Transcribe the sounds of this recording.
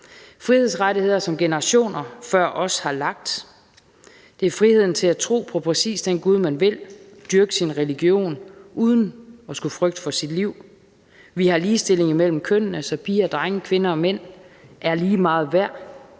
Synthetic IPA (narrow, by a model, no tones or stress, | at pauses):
fʁihe̝ð̞ˠsʁaɾihe̝ð̞̰ˠɐsɒ̽mɡ̥e̝nəʁɑɕo̝̰ːnɐfɶɐ̰ʔɒ̽shɑ̈lɑ̈ɡ̥̚d̥ | d̥e̝æɐfʁihe̝ð̞̰ˠn̩t͡sʰe̝læt͡sʰʁo̝̰ːpʰɒ̽pʰʁɛsḭːsd̥enɡ̥uð̞ˠmænʋe̝l | d̥yɐɡ̥əsinʁɛliɡ̥jo̝̰ːnʔuð̞ˠn̩ɒ̽sɡ̥ufʁœɡ̥̚d̥fɒ̽sid̥liʊ̰ | ʋihɑ̈liːsd̥e̝l̰e̝ŋimel̰m̩kʰønənəsɒ̽pʰiːɐd̥ʁaŋəkʰʋe̝nɐɒ̽men̰ʔæɐliːmɑ̈ːð̞̩ˠʋæɐ̰